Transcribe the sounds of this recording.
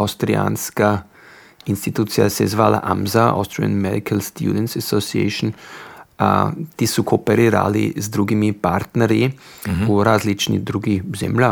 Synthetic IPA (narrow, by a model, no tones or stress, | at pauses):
awst̪ɾia̰ːnska | inst̪it̪uːt̪sija̰sɛzʋaːla̰ʔa̰mzaa̰st̪ɾia̰nmɛd̪ikʰalst̪jṵːd̪ɛnt̪sasosiɛ̰ʃn | t̪isukʰoːpɛɾiɾa̰ːlḭzd̪ɾuːɡimipaɾt̪nɛɾji | uɾaːzlit͡ʃnḭd̪ɾuːɡizɛ̰mla